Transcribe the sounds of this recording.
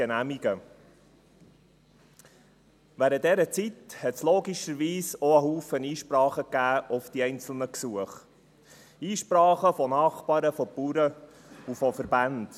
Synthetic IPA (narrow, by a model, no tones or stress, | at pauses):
enæmiɡə | ʋæɾət̚dɛɾət͡sithɛtsloːɡiʃəɾʋiːsɔəɦuːfəniːʃpɾɑːχəkːæːʔɔfd̥iɛɪnt͡sl̩ˠnəksuəχ | iːʃpɾɑːχəfɔnɑːχpɑːɾəfɔpuːɾə | ufɔfəɾbænd̥